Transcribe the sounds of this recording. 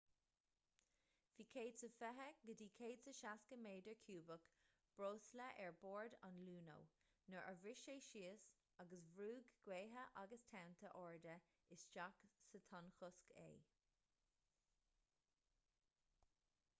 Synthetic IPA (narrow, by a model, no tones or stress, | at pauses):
viːkʰeːdsəfɛɦəɡədiːkʰeːdsəʃaskəmeːdəɹkʰjuːbək | b̥ɹoːsləʔɛɹboːɹda̰nluːno̰w | nəʔə̰vɪʃeːʃiːəs | aɡəsvɾuːɡɡweːɦəʔaɡəstʰawnt̪ʰəʔɔːɹd̪ə | ɪsʃaksət̪ʰɑnxʊskʰḛː